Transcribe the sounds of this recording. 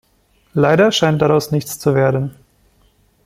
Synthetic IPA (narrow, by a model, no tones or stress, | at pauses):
laɪɾɐʃaɪnt̚d̥aʁaʊsnɪçt͡st͡suveːɐdn̩